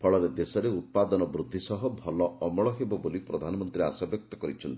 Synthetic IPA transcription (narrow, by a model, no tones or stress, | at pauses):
pʰɔɭɔɾed̪esɔɾeut̪̚pad̪ɔnɔbɾud̪ʱːisɔɦɔbʱɔlɔɔmɔɭɔɦebɔbolipɾɔd̪ʱanɔmɔnt̪ɾia̰sabjɔk̚t̪ɔkɔɾit͡ʃʰɔnt̪i